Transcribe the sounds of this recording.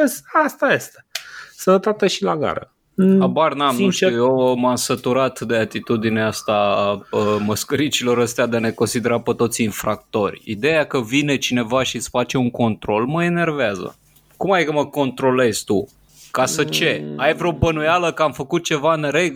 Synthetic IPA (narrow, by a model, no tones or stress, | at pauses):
əsast̪ajest̪e̥sənət̪at̪eʃilaɡa̰ɾə̰ | abarnamnuʃjemamsət̪uɾat̪d̪e̞at̪it̪ud̪ineast̪aəməskəɾit͡ʃilo̞ɾəst̪ead̪eane̞ko̞nsid̪e̞ɾapət̪o̞t̪sʲinfɾakt̪o̞rʲḭd̪e̞jakəvine̞t͡ʃine̞vaʃit̪sfat͡ʃe̞uŋko̞nt̪ɾo̞lməe̞ne̞rveazə̰ | kumajkəməko̞nt̪ɾo̞le̞z̥ʲt̪u | kasət͡ʃe̞ajvɾo̞bənujaləkəamfəkut̪̚t͡ʃe̞vaɨnɾeɡ